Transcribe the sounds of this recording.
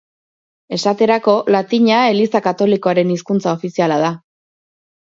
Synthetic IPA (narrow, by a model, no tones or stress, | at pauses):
e̞sat̪e̞ɾako̞lat̪iɲae̞lisakat̪o̞liko̞aɾe̞niskunt͡sao̞fisialaða